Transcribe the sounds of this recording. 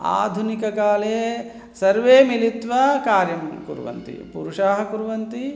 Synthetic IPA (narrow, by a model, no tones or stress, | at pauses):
a̰ːd̪ʱunikɐkaːleː | sɐɾʋeːmilit̪ʋɐkaːɾjɐmkṵɾʋɐ̰nt̪ḭpṵɾuʂaːɦɐkuɾʋɐnt̪i